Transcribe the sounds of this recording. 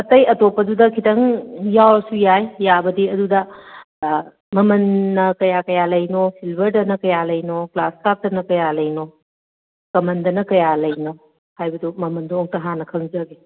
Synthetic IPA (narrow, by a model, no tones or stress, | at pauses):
ɐtɐjɐtopːɐdudɐkʰitɐŋjawɾsujajːabɐdiɐdudɐ | mɐmɐnːɐkɐjakɐjalɐjnosʰilbʱɐɾdɐnɐkɐjalɐjnoklaskap̚dɐnɐkɐjalɐjno | kɐmɐndɐnɐkɐjalɐjno | hajbɐdumɐmɐnduɔŋtɐɦanɐkʰɐŋzɐɡe